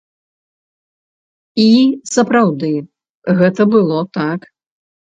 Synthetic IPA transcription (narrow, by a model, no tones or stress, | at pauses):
isɐpɾawd̪ɨ | ɣɛt̪ɐbɨlˠɔt̪ak